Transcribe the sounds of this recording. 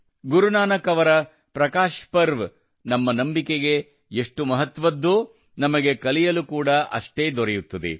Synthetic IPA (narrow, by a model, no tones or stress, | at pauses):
ɡuɾunaːnɐkɐʋɐɾɐ | pɾɐkaːʃpɐɾʋ | nɐmːɐnɐmbikeɡe̞ | eʂʈumɐɦɐt̪ʋɐd̪ːu | nɐmɐɡe̞kɐlijɐlukuːɽɐʔɐ̰ʂʈeːd̪ɔɾɛjut̪ːɐd̪ḛ